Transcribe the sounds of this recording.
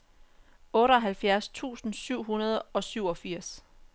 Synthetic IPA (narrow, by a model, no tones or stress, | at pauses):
ɔ̽ːɾəɒ̽ɦælfjæɐst͡sʰṵːsn̩syʊ̰ɦunɐð̞ˠɒ̽syʊɒ̽fiɐ̰s